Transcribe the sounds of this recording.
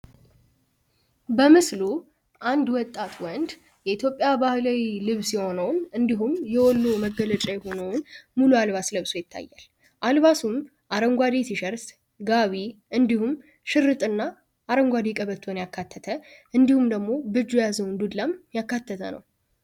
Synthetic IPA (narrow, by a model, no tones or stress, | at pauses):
bəmɨslu | ʔand̪wɔt̪ʼːat̪ʰwɔnd̪ | jɛit̪jo̞pʼjabahlawilɨβsjɛho̞nəwnɨnd̪iɦumjɛwɔlːoməɡələt͡ʃʼajɛho̞nəwnmulualβaslɨβsojɪt̪ʰːa̰jːa̰l | ʔalβasum | ʔaɾəŋɡʷad̪et̪ʰiʃəɾs | ɡaβiʔɨnd̪ihum | ʃɪɾːɨt̪ʼɨnːaː | ɾəŋɡʷad̪ikʼəβət̪ʰːonjakʰːat̪ʰːət̪ʰəʔɨnd̪ihumd̪əɡmo̞bɨd͡ʒujazəwnd̪ud̪lːamjakːat̪ʰːət̪ʰə̰nə̰w